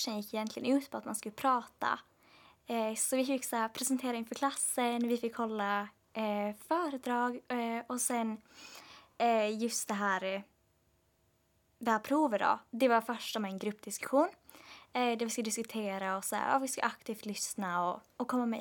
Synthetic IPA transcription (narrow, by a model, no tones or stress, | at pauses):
ʂənjɪkːɪjɛnt̪lɪɡə̰nʉ̟ːt̪pʰɔat̪manskɵlːpʰɾɑːt̪a̰ | sɔvɪfɪkːsaæɾpʰɾɛsɛnt̪ʰeːɾaɪnfœɾkʰlasːənvɪfɪkːhɔlːa | fœːɾəd̪ɾɑːɡɔsɛn | jɵst̪̚d̪ɛɦæːɾ | vapʰɾuːvəɖɔ̰d̪ɛvaɾfœʂʈamɛɛnɡɾɵpːd̪ɪskɵ̥ɧuːn | d̪æɾvɪskad̪ɪskɵt̪ʰeːɾaɔsɛ̰ːa̰ɑ̰ːvɪska̰ʔakt̪ʰiːft̪lʏsnaɔɔkʰɔmːamɛ̰